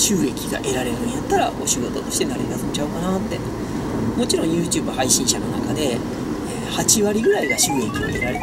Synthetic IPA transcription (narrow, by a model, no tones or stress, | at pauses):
ɕɨːɡe̞kʲiɡa̰ʔe̞ɾaɾe̞ɾɯɯ̃ɲijat̪ːaɾa̰o̞ɕiɡo̞t̪o̞t̪o̞ɕi̥t̪e̞naɾeɾasɨnt͡ɕaɯ̟kanat̪ːe̞ | mo̞t͡ɕiɾõ̞ɰ̃jɯːt͡ɕɨːbahaiɕĩɰ̃ɕano̞na̰kad̪e̞ | ehat͡ɕiβaɾʲiɡɯ̟ɾaiɡaɕɨːɡe̞kʲio̰eɾaɾe